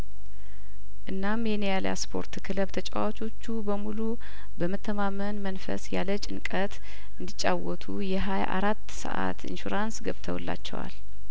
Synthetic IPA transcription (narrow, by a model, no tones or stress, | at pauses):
ʔɨnːamjɛnejalja̰spʰo̞̰ɾt̪kʰɨləβt̪ʰət͡ʃʼawat͡ʃʰʼo̞t͡ʃːubəmulu | bəmət̪ʰːəmamənmənfə̰sjalət͡ʃʼɪnkʼət̪ | ʔɨnd̪it͡ʃʼːawɔt̪ʰujɛɦajʔa̰ɾat̪ːsə̰ʔa̰t̪ḭnʃuɾansɡəβt̪ʰəwlːa̰t͡ʃːɛ̰wa̰l